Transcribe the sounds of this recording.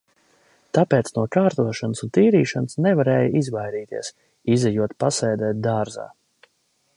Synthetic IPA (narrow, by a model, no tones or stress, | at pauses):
t̪apɛːt̪snuɔkaːɾt̪uɔʃanəsunt̪iːɾiːʃansnɛvaɾɛːjəizvajɾiːt̪ḭɛs | izɛjuɔt̪pasɛːd̪ɛːt̪̚d̪aːɾza̰ː